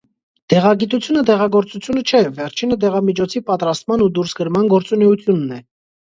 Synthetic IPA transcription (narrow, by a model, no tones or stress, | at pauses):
d̪̥ɛʁɑɡit̪ut͡sʰjunəd̪ɛʁɑɡɔɾt͡sut͡sʰjunət͡ʃʰɛvɛɾt͡ʃʰinəd̪ɛʁɑmit͡ʃʰɔt͡sʰipɑt̪ɾɑst̪mɑnud̪uɾsɡəɾmɑnɡɔɾt͡sunɛut̪ʰjunːɛ